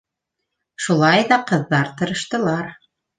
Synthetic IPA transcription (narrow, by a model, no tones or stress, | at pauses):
ʃulˠɑjðɑqɤ̆ðːɑɾt̪ɤ̆ɾɤ̆ʃt̪ɤ̆lˠɑɾ